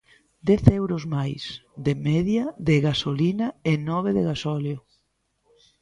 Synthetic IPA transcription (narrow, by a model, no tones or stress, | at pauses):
d̪ɛθewɾʊzmajsd̪emɛðjaðɪɣasolinɐɪnɔβ̞eðɪɣasɔljo